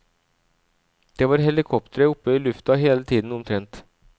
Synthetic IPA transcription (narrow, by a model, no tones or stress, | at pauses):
d̪̥ɛvɑɾɦɛlɪkʰɔp̚t̪əɾəɵpːəɪlɵft̪ɑɦeːlat̪ʰiːd̪ənɔmt̪ʰɾɛnt̪